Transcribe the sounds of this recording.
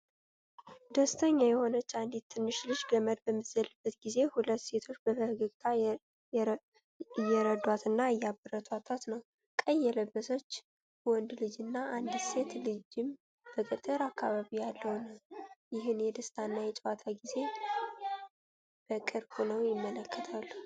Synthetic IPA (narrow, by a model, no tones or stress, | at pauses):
d̪əst̪ʰəɲːajɛho̞nət͡ʃːand̪it̪ʰːɨnːɨʃlɨd͡ʒɡəməd̪bəmːɨzəlɨbːət̪ɡize̞hulət̪ːse̞t̪ʰo̞t͡ʃːbəbəhɡɨɡt̪ʰa | jɛɾəd̪wat̪ɨnːaɨjːabɨɾət̪ʰwat̪ʰwat̪nəw | kʼəjːɛləbːəsot͡ʃː | wɔnd̪lɨd͡ʒɨnːaʔand̪se̞t̪lɨd͡ʒɪm | b̥əkʼɨt̪ʼɨɾakʰːaβaβijalːəwnəwjɪɦɨnjɛd̪əst̪ʰanːajɛt͡ʃʼwat̪ʰaɡize̞ | b̥əkʼɨɾho̞nəwjɪmːələkːət̪ʰalːu